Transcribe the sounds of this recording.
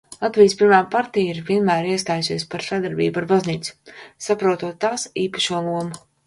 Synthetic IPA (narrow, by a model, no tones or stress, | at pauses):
lˠat̪vijspiɾmaːpaɾt̪ijiɾvʲiɛnmæːɾiɛst̪aːjusiɛspaɾsad̪aɾbḭːbuaɾbazniːt̪su̥sapɾuɔt̪uɔt̪ːaːsiːpaʃuɔlˠuɔma